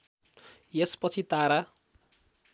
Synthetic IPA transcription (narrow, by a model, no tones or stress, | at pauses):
jespʌt͡sʰit̪aɾa